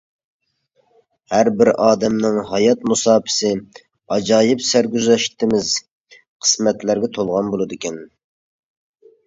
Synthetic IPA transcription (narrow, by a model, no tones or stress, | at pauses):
hæɾbɪɾʔɑːd̪ɛmnɪŋɦɑjɑt̪musɑːpʰɪ̥sɪ | ɑd͡ʒɑːjɪpsæɾɡʲyzɛʃt̪ʰɪmɪz | qʰə̥smɛt̪læɾɡʲɛt̪ʰolˠʁɑnbolˠɨd̪ɪkʲɛn